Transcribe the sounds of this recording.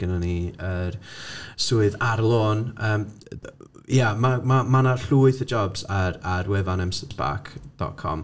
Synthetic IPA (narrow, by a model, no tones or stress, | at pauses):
ɡ̥ənaniəɾsuːɨðaɾlˠoːnəːm | jamamamanaɬuːɨθəd͡ʒɔbzaɾaɾwɛvanɛmsɪtb̥a̰ːkʰd̥ɔ̰tkʰɔ̰m